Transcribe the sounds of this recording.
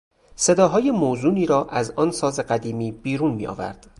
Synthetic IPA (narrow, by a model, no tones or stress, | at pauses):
se̞d̪ɒːɦɒːje̞mozuːniːɾɒːʔæzɒːnsɒːzeɢæd̪iːmiːb̥iːɾuːnmḭːʔɒ̰ːvæ̰ɾd̪̥